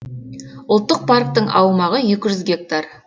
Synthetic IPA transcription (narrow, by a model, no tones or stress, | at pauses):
ʊlˠt̪ːəq̚pʰark̚t̪əɴʔɑwmɑʁəjekʲɪʒʏzɡʲe̞k̚t̪ar